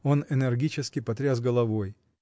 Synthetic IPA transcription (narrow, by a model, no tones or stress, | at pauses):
o̞nɛnɛrɡʲit͡ɕɪskʲɪpɐt̪ɾʲazɡəlˠɐvo̞j